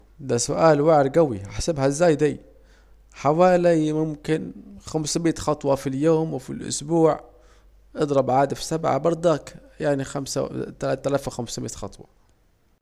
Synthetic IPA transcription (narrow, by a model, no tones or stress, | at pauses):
d̪asʊʔaːlwaʕɾɡawḭaħsabhazːaːjd̪ij | ħawaːlimʊmkɪnxamsmiːt̪xɑt̪ˤwɑfiljoːmwfḭlʔʊ̰sbuːʕ | ʔɨd̪ˤɾˤɑbʕaːd̪afsabʕa̰bɑɾˤd̪ˤaːk | jaʕnixamsa̰t̪ːt̪ːælaːfwxamsmḭːt̪xɑ̰t̪ˤwɑ̰